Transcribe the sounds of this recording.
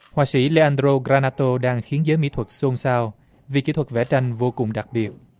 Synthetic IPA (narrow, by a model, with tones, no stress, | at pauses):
hwaː˧˩sḭ˧˥le˧ʔaː˧ndɾo˧ɣɾaː˧naː˧t̪o˧ɗaː˧ŋxi˨˦ənzəː˨˦jmḭ˧˥t̪ʰwə˨˩t̚so˧nsaː˧w | vi˨˩ki˨˥t̪ʰwə˨˩vɛ̰˧˩t͡ɕa˧jŋ̟vo˧kʊ̰˨˩ŋ͡mɗa˨˩k̚ɓi˨˩ət̚